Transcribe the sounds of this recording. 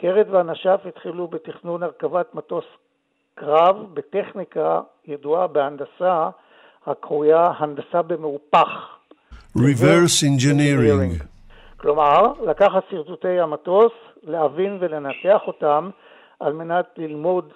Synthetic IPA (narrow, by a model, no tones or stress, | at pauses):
keʁedveanaʃafitχilubetiχnunaʁkavatmato̞s | kʁavbete̞χnika | jaduabeandasa | hakʁujahandasabe̞meupaχ | ɹivɛɹsɛ̃nd͡ʒiniɾĩŋi | klo̞maʁlakaχatsiʁtutejamato̞s | lehavinve̞le̞nateaχo̞tam | ʔalme̞natlilmo̞d